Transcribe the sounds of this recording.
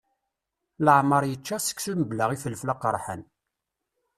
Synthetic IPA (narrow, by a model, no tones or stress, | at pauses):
ləʕməɾˤjət͡ʃːasə̥kːsuməbləʁifəlːflaqːəɾˤħə̰n